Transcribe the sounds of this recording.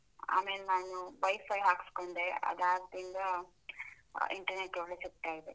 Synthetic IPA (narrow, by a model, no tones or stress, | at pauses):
a̰ːmeːlenaːnuʋɐjpʰɐjɦaːkskoɳɖ̪eʔɐ̰d̪aːd̪ind̪ɐ | ḭɳʈɐɾneʈːoɭːet͡ʃek̚ʈːaːjid̪e